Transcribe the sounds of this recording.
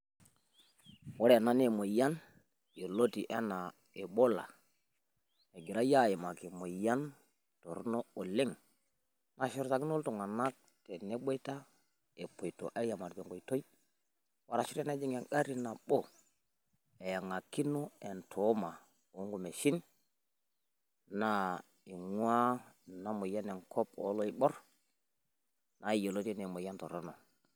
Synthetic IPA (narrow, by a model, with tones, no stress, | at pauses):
wo˦ɾna˦ne˦mo˨ja˦n | jo˨lo˦ti˨ʔḛ˦na˨ | e˨ɓo˦la̰˨ | e˨ɡi˨ɾa˦ja˦je˨ma˨ki˨mo˨ja˦n | to˨ɾno˦o˨le˦ŋ | na˨ʃi˦ɾsa˨ki˦no˦lto˨ŋa˨na˦k̚ | te˨ne˦ɓo˦ta˦ | e˨po˨jto̰˨ʔa˦ja˨ma˨ɾd͡ʒo˨ŋɡo˨jto˦j | wa˦ɾa˨ʃi˦ɾe˦na˦d͡ʒi˦ŋa˨ɡa˦ɾi˦na˨ɓo˦ | e˨ja˨ŋa˨ki˦no˦e˨ntʰo˨˦ma˨ | o˨˦ŋɡu˨me˨ʃi˦n | na˦ | i˨ŋwʷa˦na˦mu˨ja˦ne˨ŋkʰo˦po̰˦lo˦i˦˨ɓo˦ɾ | na˨i˨jo˨lo˦te˦ne˨mo˨ja˦nto˨ɾo˦no˨